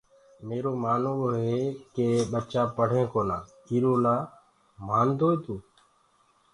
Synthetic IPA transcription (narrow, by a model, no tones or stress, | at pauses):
meːɾoːmaːnõːoɦeːkeːɓət͡ʃaːpəɽ̤ẽːkoːnaː | iːɾoːlaː | maːnd̪oːeːt̪uː